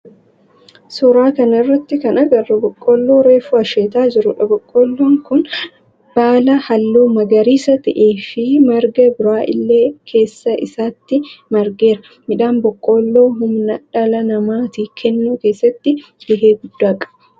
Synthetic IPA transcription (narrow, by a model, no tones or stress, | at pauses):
suɾaːkɐnɐɪrːɐt̪ːɪkɐnɐɡɐrːɐbɔkʼːoːlːo̞ːɾe̞ːfʊɐʃeːt̪aːd͡ʒɪɾʊᶑɐbɔkʼːoːlːoːŋkʊn | b̥aːlɐhɐlːuːmɐɡɐɾiːsɐt̪ɐʔeːfɪmɐɾɡɐbʊɾaːʔɪ̰lːe̞ːkʰe̞ːsːɐʔɪsaːt̪ːɪmɐɾɡe̞ːɾɐ | mɪᶑaːnbɔkʼːoːlːo̞ːɦʊmnɐᶑɐlɐnɐmaːt̪iːkʰɛnːuːke̞ːsːɐt̪ːɪ | bɪɦeːɡʊd̪ːaːkʼɐ̥bɐ̥